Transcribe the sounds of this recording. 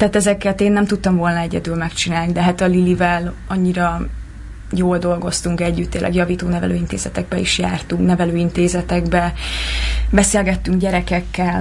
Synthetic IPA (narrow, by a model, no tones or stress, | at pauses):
t̪ɛːt̪ɛzɛkɛt̪eːnːɛmt̪ut̪ːɒɱvo̞lnɒɛɟɛ̰d̪ylmɛkt͡ʃinaːlnid̪ɛɦaːt̪ɒlilivɛl | ɒɲːiɾɒ | joːld̪o̞lɡo̞st̪uŋkɛɟːyt̪ːeːlʔɛ̰ɡjɒviːt̪oːnɛvɛ̰lø̰ːint̪eːzɛt̪ɛɡ̚bɛiʃjaːrt̪uŋknɛvɛløːint̪eːzɛt̪ɛɡbɛ | bɛseːlɡɛt̪ːyŋɡɟɛɾɛkɛkːɛl